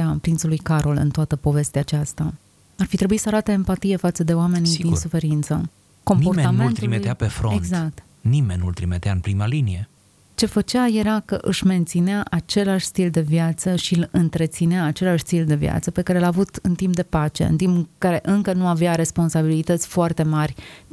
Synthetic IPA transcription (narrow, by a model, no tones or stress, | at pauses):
apɾint̪salujkaɾo̞lɨ̰nt̪oat̪əpo̞ve̞st̪eaːt͡ʃast̪a | arfit̪ɾe̞buisəaɾat̪əempat̪ije̞fat̪səd̪e̞oame̞niinnsufe̞ɾint̪sə̰ | ko̞mmoɾtmet̪ammeulnt̪ɾimet̪eapefɾoeɡzak̚t̪ | nimenʲnṵlt̪ɾimet̪eaɨnpɾimalinije̞ | t͡ʃe̞fət͡ʃeaje̞ɾakəʔɨʃʲme̞nt̪sineaʔat͡ʃe̞laʃʲst̪ild̪e̞vjat̪səʃiɨlɨnt̪ɾe̞t̪sineaːt͡ʃe̞laʃst̪ild̪e̞vj̰a̰t̪səpe̞kaɾe̞laːvut̪ɨnt̪imp̚d̪e̞pat͡ʃe̞̰ɨ̰nt̪impkaɾe̞ʔɨŋkənuaveaɾe̞spo̞nsabilit̪ət̪sʲfoart̪e̞marʲ